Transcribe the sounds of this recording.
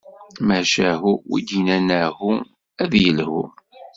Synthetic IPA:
mæʃæɦuwḭd̪inænæhu | æðjəlhṵ

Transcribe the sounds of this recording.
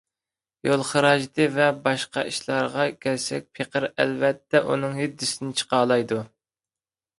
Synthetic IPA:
jolˠχəɾɑʒt̪ʰɨvɛbɑʃqɑ̰ʔiʃlˠɑɾʁɑkʲʰɛɾsɛk̚ʲpʰeqʰəɾɛ̰lvɛt̪ʰːɛʔṵnɨŋɦyd̪ːɪsɪnɪt͡ʃʰə̥qɑːlˠɑjd̪u

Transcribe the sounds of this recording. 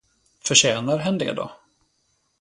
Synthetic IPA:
fœʂɕɛːnaɾɦɛnːd̪ɛ̰d̪ɔ̰

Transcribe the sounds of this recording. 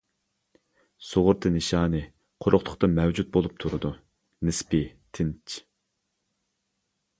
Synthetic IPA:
soʁʊɾt̪ʰɨnɨʃɑːnɨ | qʰoɾʔʊχt̪ʰʊ̥χt̪ʰɑmɛwd͡ʒut̪̚bolˠup̚t̪ʰuɾɨd̪u | nɪspɪt̪ʰɪnt͡ʃʰ

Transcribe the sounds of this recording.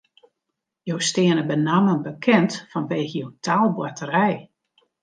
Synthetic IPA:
jowstɪənəbənamənbəkʰɛntfɔnʋeːɣəjowtʰaːlˠbwatəɾɛj

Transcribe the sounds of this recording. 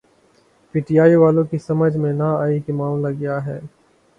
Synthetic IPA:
piːʈijaːiʋaːlõkisɐməd͡ʒʱmẽnaaːikimaːmlaɡɐjaɦɛː

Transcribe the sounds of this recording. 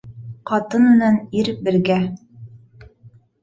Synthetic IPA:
qɑt̪ɤnmɘ̆næniɾbɘ̆ɾɡæ

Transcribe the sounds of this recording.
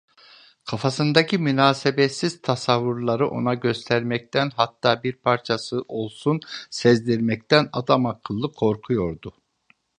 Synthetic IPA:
kʰafasɯnd̪acʰimynaːsebɛt̪siz̥t̪ʰasavːuɾlˠaɾɯʔo̞̰naɟø̞st̪ʰæɾmɛc̚t̪ʰænɦat̪ʰːaːbiɾpʰaɾt͡ʃʰasɯʔo̞lˠsunsɛzd̪ʲiɾmɛc̚t̪æna̰d̪amakʰɯlˠːɯkʰo̞ɾkʰujo̞ɾd̪ʊ

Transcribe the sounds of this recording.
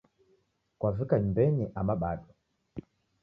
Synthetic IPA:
kwavikaɲmbɛniʔamaɓaɗɔ

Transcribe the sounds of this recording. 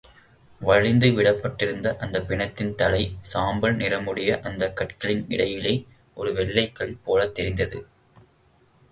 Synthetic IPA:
ʋɐɻɪnd̪ɯʋɪɽɐpːɐʈːɪɾɯnd̪ɐʔɐnd̪ɐpːɪɳɐt̪ːɪnt̪ɐlɐɪsaːmbɐɭnɪrɐmɯɽɪjɐʔɐnd̪ɐkːɐʈkɐɭɪnɪ̰ɽɐjɪleː | ʔɔɾɯʋɛɭːɐɪkːɐɭpoːlɐt̪ːɛɾɪnd̪ɐðɯ̰

